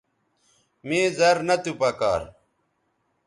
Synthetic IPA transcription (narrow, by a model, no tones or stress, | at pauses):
meːzɐɾnɐt̪upɐka̰ːɾ